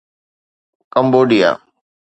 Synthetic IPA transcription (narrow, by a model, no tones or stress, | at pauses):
kəmboːɖija̰ː